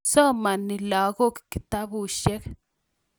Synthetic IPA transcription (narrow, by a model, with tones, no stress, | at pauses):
sɔ˦ma˨nːi˨la˨ɣo˦kki˨t̪a˦bu˨ʃɛ˦k